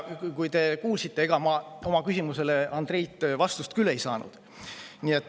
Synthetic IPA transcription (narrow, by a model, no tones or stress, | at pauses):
kujt̪e̞kuːlsit̪ːeeɡ̥ɑmɑo̞mɑkysimuse̞le̞ɑnd̪̥re̞jt̪ːˑvɑst̪ust̪kylːe̞jsɑ̰ːnṵd̪̥ | niet̪ːˑ